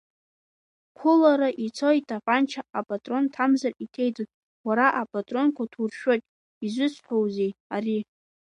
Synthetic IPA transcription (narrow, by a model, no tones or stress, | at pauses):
kʷʰʊlaɾaʔit͡sʰo̞itʼaqʼant͡ʃʰaapʼatʼro̞ntʰamzaritʰe̞jdot | waɾaʔapʼatʼro̞nkʷʰatʰurʃᶣotʼ | izʷʊt͡sʰħʷᶣowze̞jari